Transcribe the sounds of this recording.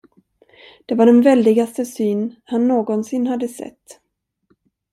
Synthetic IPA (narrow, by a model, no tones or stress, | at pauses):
d̪̥ɛvaɖɛnvɛld̪ɪɡast̪əsyːnhanːoːɡɔnsɪnːɦad̪ːəsɛ̰t̪ː